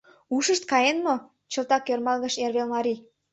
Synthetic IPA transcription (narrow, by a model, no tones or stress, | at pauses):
uʃəʃt̪̚kɑjenmo | t͡ɕɤ̆lt̪ɑkːørmɑlɣə̆ʃerβelmɑɾi